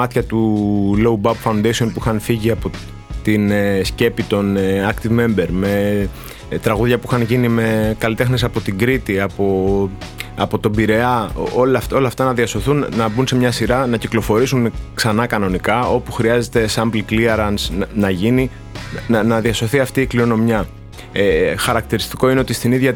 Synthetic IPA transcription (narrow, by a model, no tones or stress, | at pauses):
ɐt̪çɐt̪ulo̞ubɐupfɐund̪esio̞npuixɐnfiʝiɐpo̞ | t̪inesce̞pit̪o̞nɐkt̪ivme̞mbe̞ɾme̞ | t̪ɾɐɣuðʝɐpuixɐnʝinime̞kɐlit̪e̞xnesɐpo̞t̪iɡɾit̪iɐpo | ɐpo̞t̪o̞biɾe̞ɐolft̪olɐft̪ɐnɐðiɐso̞θunːɐbunse̞mɲɐsiɾɐnɐciklofo̞ɾisunksɐnɐkɐno̞nikɐo̞puxɾiɐze̞t̪e̞sɐmblikliɐɾɐnsnnɐʝini | nɐnɐðiɐso̞θiɐft̪iːkliɾo̞no̞mjɐ | xɐɾɐkt̪iɾist̪i̥ko̞ine̞o̞t̪ist̪iniðʝɐ